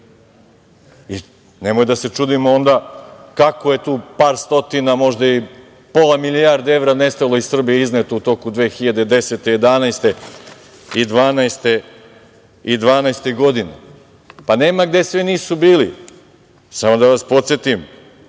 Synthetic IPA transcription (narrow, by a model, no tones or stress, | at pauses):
i | ne̞mojd̪ase̞t͡ʂud̪imoond̪akakoje̞t̪uːpaːɾst̪o̞t̪inamo̞ʒd̪ai | po̞lˠamilijaɾd̪ee̞ʋɾane̞st̪alˠo̞issr̩bijeiznet̪out̪o̞kud̪ʋeːxiʎad̪ed̪e̞set̪e̞je̞d̪anajst̪e̞ | id̪ʋaːnaest̪e̞ | id̪ʋaːnajst̪eɡo̞d̪ine | pane̞ːmaɡd̪e̞sʋiniːsubiːli | samo̞d̪aʋaspo̞t̪sjet̪im